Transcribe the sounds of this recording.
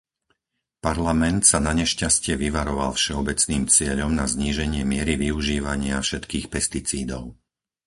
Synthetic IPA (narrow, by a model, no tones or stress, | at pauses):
paɾlamɛnt̪sanaɲɛʃcascɪɛʋiʋaɾɔʋa̰lfʃɛɔbɛt͡sniːmt͡sɪɛʎɔmnazɲiːʒɛɲɪɛmɪɛɾiʋiuʒiːʋaɲɪafʃɛt̪kiːxpɛst̪it͡siːd̪ɔʊ